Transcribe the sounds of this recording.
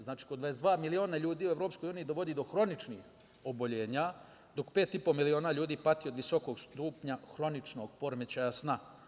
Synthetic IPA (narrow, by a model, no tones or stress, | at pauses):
znaːt͡ʃi̥ːkod̪ʋaesd̪ʋaːmilio̞ːnaʎuːd̪iːueʋɾopsko̞juːniid̪o̞ʋo̞d̪iːd̪o̞xɾo̞nit͡ʃnḭx | o̞bo̞ʎe̞ːɲa | d̪o̞kpe̞ːt̪ipo̞milio̞ːnaːʎuːd̪iːpat̪io̞d̪ʋiso̞koɡst̪uːpɲaxɾo̞nit͡ʃno̞ɡpo̞ɾme̞t͡ɕajasna